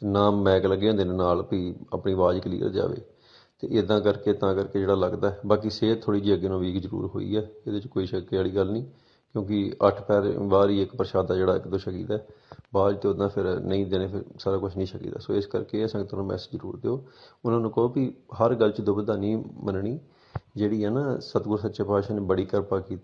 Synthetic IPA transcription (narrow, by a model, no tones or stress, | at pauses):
naːmːɛːkləɡjãːd̪enːnaːlpiːə̰pniːʋaːd͡ʒklḭːə̰ɾd͡ʒa̰ːʋḛː | t̪ḛːʔɪd̪ãːkəɾkeːt̪ãːkəɾkeːd͡ʒeːɽaːləɡd̪aːɛbaːk̬iseːt̪ʰoːɽiːd͡ʒiːəɡeːnãːʋiːkzəɾṵːɾɦo̰ːḭːɛːeːd̪et͡ʃkoːiːʃəkaːɽiːɡəlnĩː | kjõːk̬ɪəʈʰpɛːɾbaːɾiːɪkpəɾəʃaːd̪aːd͡ʒeːɽaːɪ̰kd̪õːʃəkḭːt̪ɛːbaːd͡ʒt̪eːʊd̪ãːpʰɪɾnəĩːd̪eːneːpʰɪɾsaːɾaːkʊt͡ʃʰnĩːʃəkḭːt̪a̰ːso̰ːɪskə̰ɾkeːsə̃ŋɡt̪əɾãːmɛ̰ːsd͡ʒzəɾṵːɾd̪eoːʊnãːnũːkəoːkiɦəɾɡəlt͡ʃd̪oːbəd̪aːniːmənɳiː | d͡ʒeːɽiːɦɛːnaːsət̪ɡʊɾsət̪ːʃeːpaːʃaːneːbəɽiːkəɾpaːkiːt̪i